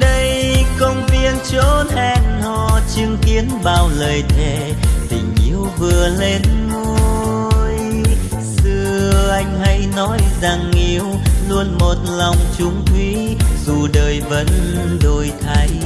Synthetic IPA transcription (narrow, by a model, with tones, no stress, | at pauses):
ɗə˧jkə˧wŋ͡mvi˧ənt͡ɕo˨˦nhɛ˧nhɔ˧˩t͡ɕɨ˧əŋki˨˦ənɓaː˨˩wləː˨˩jt̪ʰe˧˩t̪ï˨˩ŋ̟ʔḭ˨˦əwvɨ˨˩əle˧nm | o˧ | j | sɨ˧əəʔa˧jŋ̟hə˧jnɔ˨˦jza˨˧˩ŋːi˧˦əwlu˧ənmo˨˩t̚la˨˩wŋ͡mt͡ɕʊ˨˦ŋ͡mt̪ʰwi˨˦ | zu˨˩ɗəː˨˩jvə̰˧˥n | ɗo˧˩jt̪ʰa˨˦j